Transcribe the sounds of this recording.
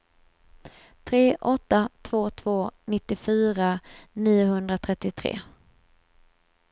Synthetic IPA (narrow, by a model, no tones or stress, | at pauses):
t̪ʰɾeːʔɔt̪ːat̪ʰv̥oːt̪ʰv̥oːnɪt̪ːɪfyːɾaniːʊɦɵnd̪ɾat̪ʰɾɛt̪ːɪt̪ʰɾḛː